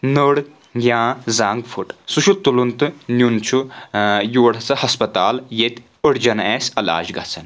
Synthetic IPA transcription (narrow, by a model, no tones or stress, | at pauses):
nəɽ | ɡʲjãːzaːŋɡfʰuʈsuʃʰut̪ulunt̪ɨnʲunt͡ʃʰujuːɽɐt͡sɐhɐspɐt̪aːljet̪ʲ | əɽd͡ʒɐneːsɐla̰ːd͡ʒɡɐ̰t͡sʰɐn